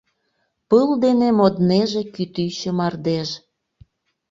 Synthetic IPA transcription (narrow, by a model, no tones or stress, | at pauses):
pɯld̪enemod̪neʒĕkyt̪yt͡ɕəmɑrd̪eʒ